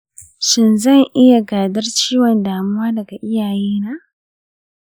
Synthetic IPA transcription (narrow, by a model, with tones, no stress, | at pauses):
ʃɪ˨nzɐ˦˨ŋʔɪ˦ja˨ɡaː˨dɐ˦rt͡ʃiː˦wɔ˨ndaː˨mʊ˦waː˦dɐ˨ɡa˨ʔɪ˦jaː˨jiː˦naː˦